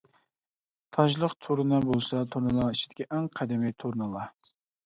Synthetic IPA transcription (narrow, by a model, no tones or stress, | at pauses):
t̪ʰɑʒlˠəqt̪ʰoɾɨnɑbolˠsɑt̪ʰoɾnɨlˠɑŋit͡ʃʰi̥d̪̥ɪ̥kʲiʔɛŋqʰɛd̪ɪmɪjt̪ʰoɾnɨlˠɑ